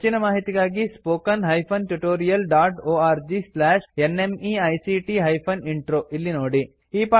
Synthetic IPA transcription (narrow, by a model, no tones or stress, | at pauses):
t͡ʃinɐmaːɦit̪iɡaːɡispoːkɐnɦɐjpʰɐnʈuʈoːɾijɐlɖaːʈoːaːɾd͡ʒislaːʃenemiːɐjsiʈiɦɐjpʰɐniɳʈɾoːʔilːinoːɽi | ɦiːpaː